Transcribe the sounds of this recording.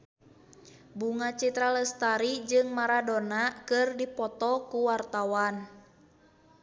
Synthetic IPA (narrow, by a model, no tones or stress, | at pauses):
buŋat͡ʃit̪ɾaləst̪aɾid͡ʒɨŋmaɾadonakɨrdipɔt̪ɔkuwart̪awan